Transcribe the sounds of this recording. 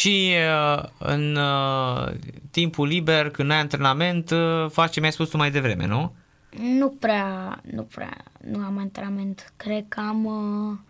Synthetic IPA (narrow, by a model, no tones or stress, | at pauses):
ʃi | ɨ̰n | t̪impulibe̞rkɨnd̪ajant̪ɾe̞name̞nt̪fat͡ʃemjajspust̪umajd̪e̞vɾe̞me̞̰nu | nupɾeanṵpɾ̰a̰nuamant̪ɾename̞nt̪kɾed̪̚kam